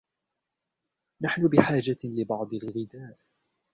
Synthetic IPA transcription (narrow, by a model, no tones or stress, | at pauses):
naħnʊbɪħaːd͡ʒalɪbɑʕd̪ˤɪlɣɪd̪aːʔ